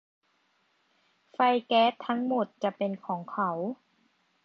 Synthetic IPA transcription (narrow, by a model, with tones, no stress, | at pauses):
fa˧˩jkɛː˦˥t̪ʰːa˦˥ŋmo˨˩t̪̚t͡ɕa˨˩ʔpe˧nkʰɔː˩˦ŋkʰa˩˦w